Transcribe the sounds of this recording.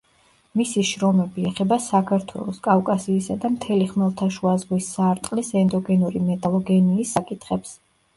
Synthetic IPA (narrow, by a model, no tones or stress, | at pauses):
misiʃɾɔmɛbiɛχɛbasakʰaɾt̪ʰwɛ̰lˠɔskʼafkʼasiːsad̪amt̪ʰɛliχmɛlˠt̪ʰaʃuazʁwisːaɾt̪ʼqʼlisɛnd̪ɔɡɛnuɾimɛt̪ʼalˠɔɡɛniːsːakʼit̪ʰχɛps